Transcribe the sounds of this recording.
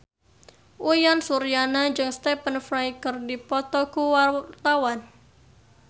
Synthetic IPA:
ʔujansuɾijanaɲd͡ʒɨŋst̪ɛpənfɾajkərdipɔt̪ɔkuwat̪awan

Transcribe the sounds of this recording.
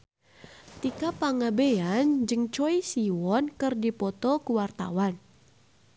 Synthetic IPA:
t̪ikapaŋabeand͡ʒɨŋt͡ʃɔisiwɔnkɨrdipɔt̪ɔkuwart̪a̰wan

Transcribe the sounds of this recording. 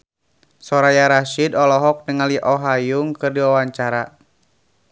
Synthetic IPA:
sɔɾajaɾaʃidɔlɔɦɔk̚nəŋaliʔɔɦajuŋkɨrdiwawaɲt͡ʃaɾa

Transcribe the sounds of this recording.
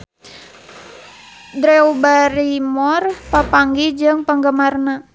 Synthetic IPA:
d̪ɾɛubaɾimɔrpapaŋɡid͡ʒɨŋpəŋɡəmarna

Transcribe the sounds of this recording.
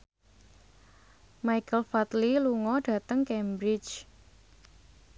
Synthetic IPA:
majkəlfat̪liluŋɔɖ̥ä̤t̪əŋkɛmbɾɪt͡ʃ

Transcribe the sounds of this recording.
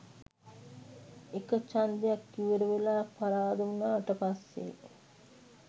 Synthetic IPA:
ekət͡ʃand̪ejakːiʋeɾəʋelaːpaɾaːd̪umunaːʈəpasːḛ

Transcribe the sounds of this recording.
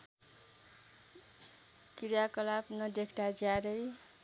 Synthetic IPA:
kiɾjakʌlabnʌd̪ekʰd̪ad͡zaɾʌj

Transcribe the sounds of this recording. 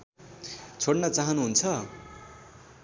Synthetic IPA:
t͡sʰoɽnʌt͡saɦʌnuɦunt͡sʰʌ

